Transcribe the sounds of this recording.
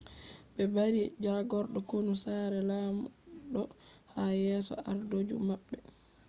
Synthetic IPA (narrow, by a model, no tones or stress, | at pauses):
ɓɛbaɾid͡ʒaɡɔɾɗɔkonusaːɾɛlaːmuɗɔhajɛːsɔ̰aɾdod͡ʒṵmabɓːɛ